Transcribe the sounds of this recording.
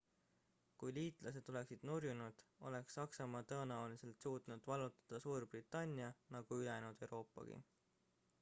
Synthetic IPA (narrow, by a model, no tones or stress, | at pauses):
kujliːt̪ˑlʔɑse̞d̪̥o̞le̞ksid̪̥nurjunud̪̥o̞̰le̞ksːɑksɑmɑːt̪ɤ̞ːnæwlise̞lt̪suːt̪nud̪̥vɑlut̪ːˑɑ̥d̪̥ɑsuːrb̥rit̪ːˑɑnʲːiɑnɑɡ̥uylenud̪̥e̞wɾo̞ːpːˑɑ̰ɡ̥ḭ